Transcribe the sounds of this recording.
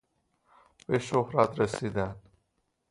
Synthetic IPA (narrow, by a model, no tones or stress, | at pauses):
b̥eʃohɾat̪ɾesiːd̪ænd̪